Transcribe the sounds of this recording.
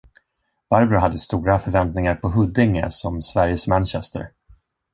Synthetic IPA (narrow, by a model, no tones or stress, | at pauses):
b̥aɾbɾʊɦad̪ːəst̪uːɾafœɾvɛnt̪nɪŋaɾpʰɔɦɵd̪ːɪŋːə̰sɔmsvæɾjəsmænɕɛst̪ə̰ɾ